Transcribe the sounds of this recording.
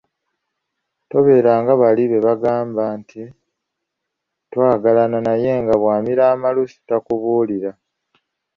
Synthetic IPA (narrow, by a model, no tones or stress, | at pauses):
to̞βe̞ːɾaːŋɡaβaliβe̞βaɡaːmbaːntʰi | twaːɡalananaje̞ːŋɡaβwaːmiɾaːmalusi̥takuβuːliɾa